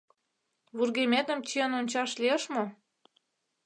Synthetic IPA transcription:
βurɣemʲet̪ə̆mt͡ɕiənonʲt͡ɕɑʃliəʃmo

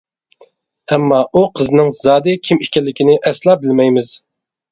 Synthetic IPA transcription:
ɛmːɑʔuqʰəznɪŋzɑːd̪ɨkʲʰimikʲɛlːɪkʲʰinɪʔɛslˠɑbɪlmɛjmɪz̥

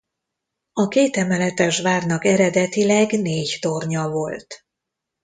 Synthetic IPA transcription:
ɒkeːt̪ɛmɛlɛt̪ɛʒʋaːrnɒkɛɾɛd̪ɛt̪ilɛɡneːɟt̪o̞rɲɒvo̞lt̪

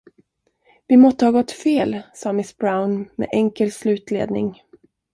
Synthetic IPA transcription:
vɪmɔst̪əhɑːɡɔt̪ːfeːlsɑːmɪsbɾaʊnmɛ̰ʔɛŋkəlslʉ̟ːt̪lḛːd̪nɪ̰ŋ

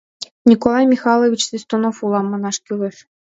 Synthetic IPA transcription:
nʲikolˠɑjmʲixɑlˠovʲit͡ɕsisʲt̪onofulˠɑmːɤ̆nɑʃkyleʃ

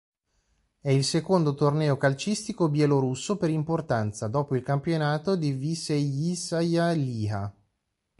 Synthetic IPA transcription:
ɛilsekond̪ot̪ornɛːokalt͡ʃist̪ikobjɛloɾusːopeɾimport̪ant̪sad̪ɔːpoilkampjonaːt̪od̪ivisejisajaliːa

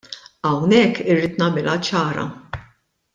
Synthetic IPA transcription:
ɐwnɛkːɪrːiːt̪nɐmɪlʔɐt͡ʃɐːɾɐ̰

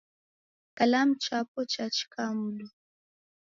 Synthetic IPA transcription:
kalam̩t͡ʃapɔt͡ʃat͡ʃi̥kamulɔ

